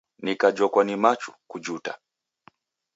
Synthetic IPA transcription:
nikad͡ʒɔkwanimat͡ʃu̥kud͡ʒuta̰

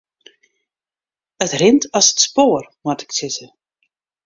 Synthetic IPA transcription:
ətrɪntɑsətspoːrmɔtɪ̥ksɪtə

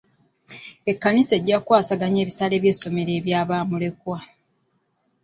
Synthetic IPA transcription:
e̞kːanise̞ɟːakwaːsaɡaɲe̞ːβisale̞ːβje̞ːso̞me̞ɾe̞ːβjaːβaːmule̞kwa

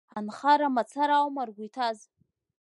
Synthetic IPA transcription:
anχaɾamat͡sʰaɾawmarɡʷujtʰaz

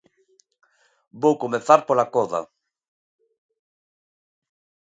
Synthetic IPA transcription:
bowkomeθaɾpolakɔða̰

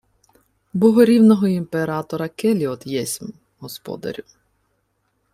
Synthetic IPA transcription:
bɔɦɔɾʲiwnɔɦɔimpeɾɑt̪ɔɾɐkɛlʲiɔd̪jɛsʲm | ɦɔspɔ̰d̪ɐ̰ɾʲu

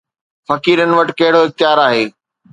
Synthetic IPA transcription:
fɐkiːɾənɪ̆ʋɐʈɪkɐɦɪɽoɪxt̪ɪjaːɾaːɦeː

